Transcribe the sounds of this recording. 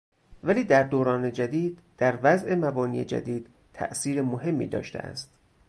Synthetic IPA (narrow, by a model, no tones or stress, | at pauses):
væliːd̪æɾd̪oːɾɒːne̞d͡ʒæd̪iːd̪̚d̪̥æɾvæzʔe̞mæbɒːniːḛd͡ʒæ̰d̪iːd̪̥ | t̪ʰæ̰ʔsiːɾemoɦe̞mːḭːd̪ɒ̰ːʃt̪ḛʔæ̰st̪